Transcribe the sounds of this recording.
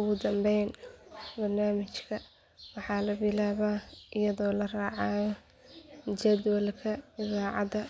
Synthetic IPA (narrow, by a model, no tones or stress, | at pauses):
ʊɣʊd̪ɐmbɛjnbɐrnaːmɪt͡ʃkʰɐ | wɑħɑːlɐbɪlaːβaːʔɪjɐðɔːlɐraːʕɑːj | d͡ʒɐd̪wɐlkʰɐɪðaːʕɑ̰d̪ɐ